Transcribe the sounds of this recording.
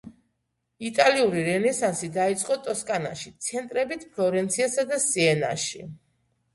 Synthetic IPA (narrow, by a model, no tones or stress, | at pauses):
it̪ʼaliuɾiɾɛnɛsansid̪ait̪sʼqʼɔt̪ʼɔskʼana̰ʃit̪sʰɛnt̪ʼɾɛbit̪ʰpʰlɔɾɛnt̪sʰiasad̪asiɛna̰ʃi